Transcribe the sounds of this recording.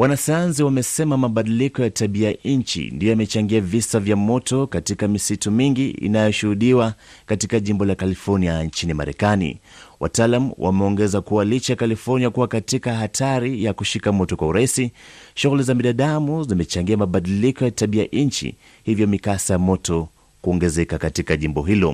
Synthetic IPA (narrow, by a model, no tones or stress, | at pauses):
wanasajanziwamɛsɛmamaɓaɗilikɔjataɓiaɲt͡ʃḭndijɔamɛt͡ʃaŋɡiavisavjamɔtɔkatikamisitumiŋɡiḭnajɔʃuhuɗiwakatikaʄimbɔlakalifɔɾniaɲt͡ʃinima̰ɾɛ̰kanḭwʔa̰taːlamuwʔa̰mɛɔŋɡɛzakuwalit͡ʃakalifɔɾniakuwakatikaɦatʰaɾijakuʃikamɔtɔkwauɾaisiʃuɣulizaminaɗamuzimɛt͡ʃaŋɡiamaɓaɗilikɔjataɓiaʔɲt͡ʃḭ | hivjɔmikasajamɔtɔ | kuɔŋɡɛzɛkakatikaʄimbɔɦilɔ̰